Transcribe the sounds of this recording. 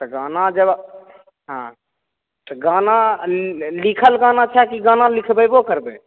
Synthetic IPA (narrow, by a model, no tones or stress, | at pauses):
t̪əɡanad͡ʒəb | ɦã̰ | t̪əɡana | likʰəlɡanat͡ʃʰɛkiɡanalikʰbəjbokəɾbe